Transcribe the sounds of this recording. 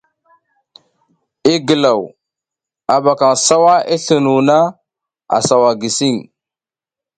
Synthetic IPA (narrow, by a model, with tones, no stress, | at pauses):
i˦ɡə˨la˨w | a˨ba˨ka˨ŋsa˦wa˦ʔi˦ɬə˨nu˨na˦ | a̰˨sa˨wa˨ɡi˨si˦ŋ